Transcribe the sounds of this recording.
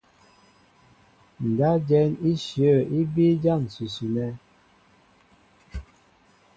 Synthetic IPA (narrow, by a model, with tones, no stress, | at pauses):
n̩˨da˦d͡ʒɛ˦ni˦ʃjə˦˨i˦bi˦d͡ʒa˦˨n˨su˨su˨nɛ˦